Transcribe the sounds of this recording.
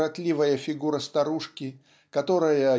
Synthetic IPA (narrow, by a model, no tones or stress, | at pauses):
ɐt̪ʲlʲivəjəfʲɪɡuɾəst̪ɐɾuʂkʲɪ | kɐt̪o̞ɾəjə